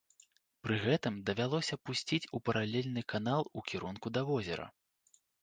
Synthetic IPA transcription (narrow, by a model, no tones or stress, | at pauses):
pɾɨɣɛt̪ɨmd̪ɐvʲalˠɔsʲɐpusʲt͡sʲit͡sʲupɐɾalʲelʲnɨkanalˠukʲiɾunkud̪ɐvɔzʲɛ̰ɾɐ̰